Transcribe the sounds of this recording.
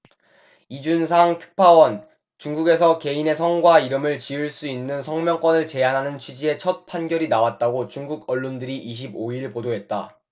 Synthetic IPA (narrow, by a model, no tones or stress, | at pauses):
id͡ʑunsʰaŋtʰɯ̥k̚pʰawʌn | t͡ɕuŋɡuɡe̞sʰʌke̞ine̞s̬ʰʌŋɡwaiɾɯmɯɭt͡ɕiɯɭs͈uinːɯnsʰʌŋmjʌŋk͈wʌnɯɭt͡ɕe̞anɦanɯnt͡ɕʰɥid͡ʑie̞t͡ɕʰʌt̚pʰanɡjʌɾinawat̚t͈aɡot͡ɕuŋɡuɡʌɭːondɯɾiʔiɕ̬ʰiboiɭpodoɦe̞t̚t͈a̰